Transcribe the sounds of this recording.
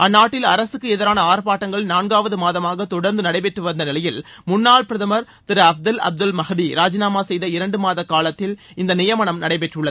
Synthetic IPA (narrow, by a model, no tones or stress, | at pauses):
ʔɐnːaːʈːɪlɐɾɐsɯkːɯɛðɐɾaːnɐaːɾpaːʈːɐŋɡɐɭnaːnɡaːʋɐðɯmaːðɐmaːɣɐt̪ɔɽɐɾnd̪ɯnɐɽɐɪpɛʈːrɯʋɐnd̪ɐnɪlɐjɪl | mʊnːaːɭpɪɾɐðɐmɐɾ | t̪ɪɾɐɐfd̪ɐlɐ̰b̚d̪ɯlmɐɣd̪iɾaːd͡ʒɐnaːmaːsɛjðɐɪɾɐɳɖɯmaːðɐkːaːɭɐt̪ːɪl | ɪnd̪ɐnɪjɐmɐɳɐmnɐɽɐɪpɛʈrɯɭːɐðɯ